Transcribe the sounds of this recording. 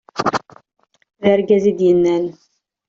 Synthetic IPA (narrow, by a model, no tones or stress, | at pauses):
ðəɾɡæzid̪jənːæn